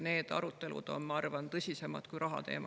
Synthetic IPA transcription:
ne̞ːd̪̥ɑ̰ɾut̪ːˑe̞lṵd̪̥o̞̰nmɑɑrvɑnt̪ɤsʲise̞mɑ̰d̪̥kujɾɑɦɑ̰t̪e̞̰ːmɑ

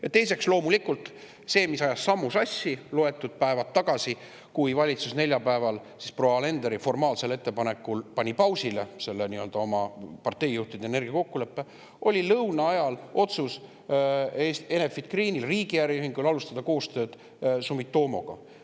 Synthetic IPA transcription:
jɑt̪e̞js̬e̞kslo̞ːmulikult̪ˑ | se̞ːmisɑjɑsːɑmːusɑsʲːilo̞e̞t̪ːˑud̪̥̚pæevɑt̪ːɑɡ̥ɑsi | kujvɑlʲit̪susne̞lʲjɑpæevɑlsispro̞ɑle̞nd̪eɾifo̞rmɑːlse̞le̞t̪ːe̞pɑne̞kːulpɑnʲipɑwsile̞se̞lːeniø̞ld̪̥ɑo̞mɑpɑrt̪ːe̞jːuht̪id̪̥eeːne̞rɡ̥iɑko̞kːule̞pːe̞ | ʔo̞lʲilɤwnɑɑjɑlʔo̞t̪sus | esenefid̪̥kriːnilriːɡ̥ijæɾjyɦiŋɡulɑlust̪ɑd̪̥ɑko̞ːst̪ø̞ːd̪̥ | sumit̪ːo̞ːmo̞̰ɡ̥ɑ̰

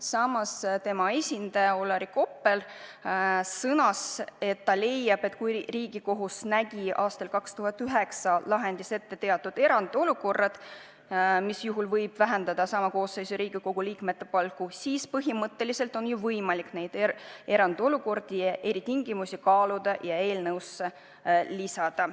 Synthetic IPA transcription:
sɑmɑst̪e̞mɑe̞sʲind̪̥ɑjɑo̞lːɑɾiko̞pːˑe̞l | sɤnɑse̞t̪ːɑle̞jːɑb̥e̞t̪ːkujriːɡ̥iko̞ɦusnæɡ̥iʔɑːst̪ɑlkɑkst̪uɦɑt̪ːˑyɦe̞ksɑlɑɦe̞nd̪ise̞t̪ːe̞t̪e̞ɑt̪ːˑud̪e̞ɾɑnd̪̥o̞luko̞rːɑd̪̥ | misjuɦulvɤjb̥væɦe̞nd̪ɑd̪̥ɑsɑmɑko̞ːsːe̞jsuɾiːɡ̥iko̞ɡ̥uliːkme̞t̪ːe̞pɑlkusiːspɤɦimɤt̪ːe̞lise̞lt̪o̞njuvɤjmɑlikne̞jd̪̥e̞ɾɑnd̪̥o̞luko̞rd̪̥iʔe̞ɾit̪iŋɡ̥imusikɑːlud̪̥ɑʔjɑe̞ːlnɤwsːe | lisɑd̪̥ɑ

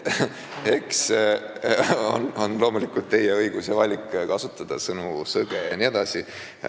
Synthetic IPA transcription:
e̞ks | o̰no̞nlo̞ːmulikult̪ːe̞jeɤijɡ̥usjɑvɑlʲikːˑkɑsut̪ːˑɑd̪̥ɑsɤnusɤɡ̥ejɑnied̪̥ɑsi

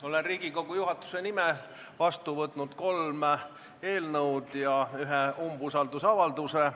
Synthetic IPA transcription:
o̞lenriːɡ̥iko̞ɡ̥ujuɦɑt̪ːˑu̥se̞nime | vɑst̪uvɤt̪ːˑnud̪̥ko̞lm | e̞ːlnɤwd̪̥jɑyɦeumb̥usɑld̪usɑvɑld̪use

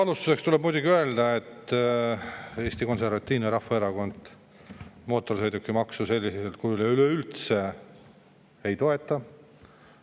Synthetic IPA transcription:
ɑlust̪use̞kst̪ule̞b̥̚mujd̪uɡiøe̞ld̪ɑe̞t̪ː | e̞ːst̪iko̞nse̞rvɑt̪ːiːneɾɑhːɑe̞ɾɑɡo̞nd̪̥ | mo̞ːt̪ːˑo̞rsejd̪ukːˑimɑksuse̞lʲːisselt̪̚kujuleyleylt̪se̞ | ejt̪o̞e̞t̪ːˑɑ

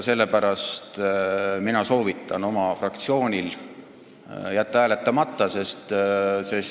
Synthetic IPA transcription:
se̞lːe̞pæɾɑst̪minɑso̞ːvit̪ːˑɑno̞mɑfrɑk̚t̪sio̞ːnʲil | jæt̪ːˑɑhæːlet̪ːˑɑmɑt̪ˑːɑse̞st̪ses

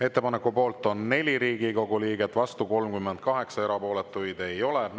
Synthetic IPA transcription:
e̞t̪ːe̞pɑnekːˑupo̞ːlt̪ːˑo̞nːe̞lʲiɾiːɡ̥iko̞ɡuliːɡ̥et̪ːˑvɑst̪uko̞lmkymːend̪̚kɑɦe̞ksɑe̞ɾɑpo̞ːle̞t̪ːˑujd̪e̞jo̞le

